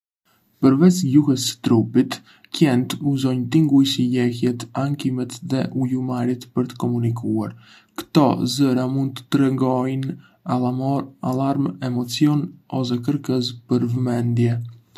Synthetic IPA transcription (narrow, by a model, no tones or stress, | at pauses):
pəɾvɛsjuhəsə̥t̪ɾupit̪ | cjɛnt̪uzɔjnt̪iŋɡujsijɛhjɛt̪aŋkimɛt̪ðɛʔujumaɾit̪pəɾt̪ə̥kɔmunikua̰ɾ | kə̥t̪ɔ̰zəɾamund̪̚t̪ə̥t̪əɾɛŋɡɔjn | aalaɾmɛmɔt͡sjɔnɔsɛkəɾkəs̬pəɾvəmɛnd̪jɛ